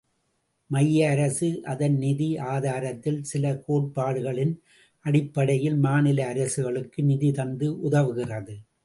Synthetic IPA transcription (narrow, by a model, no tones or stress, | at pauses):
mɐjːɐːɾɐsɯʔɐðɐnnɪðiaːðaːɾɐt̪ːɪlsɪlɐkoːʈ̚paːɽɯɣɐɭɪn | ʔɐɽɪpːɐɽɐjɪlmaːnɪlɐːɾɐsɯɣɐɭɯkːɯnɪðit̪ɐnd̪ɯʔʊðɐʋɯɣɪrɐðɯ